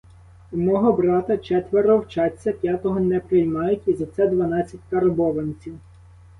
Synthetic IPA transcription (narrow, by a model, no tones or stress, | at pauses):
mɔɦɔbɾɑt̪ɐt͡ʃɛt̪ʋeɾɔwt͡ʃɑt͡sʲːɐpʲjat̪ɔɦɔnɛpɾɪjmɑjʊtʲizɐt̪sɛd̪ʋɐnɑt͡sʲːɐt̚ʲkɐɾbɔʋenʲt͡sʲiw